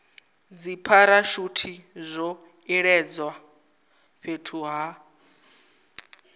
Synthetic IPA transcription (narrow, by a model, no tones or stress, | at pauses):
d͡zipʰaɾaʃutʰizʷɔ | iɺɛd͡zwa | ɸʰetʰuɦa